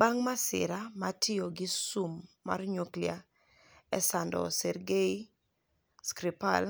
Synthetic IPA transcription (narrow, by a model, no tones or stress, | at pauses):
baŋmasɪ̰ɾamatʰɪoɡɪsumːa̰rɲoklia | ɛsandɔ̰sɛrɡei | skɾipal